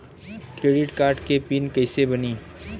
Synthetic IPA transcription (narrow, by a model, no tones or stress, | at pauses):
kɾeːɖɪʈkaːɾʈkepinkɐɪsebɐniː